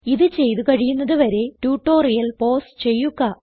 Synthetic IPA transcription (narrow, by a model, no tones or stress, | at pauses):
iðɨt͡ɕe̞jt̪ukɐɻijunːɐðɨʋɐɾe̞tuːʈːo̞ːrijɐlpo̞ːst͡ɕe̞jːukːɐ